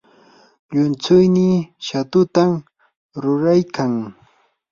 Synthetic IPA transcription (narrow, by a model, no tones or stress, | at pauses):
ʎʊnt͡sʊjnɪʃat̪ʊt̪am | ɾʊɾajkʰaŋ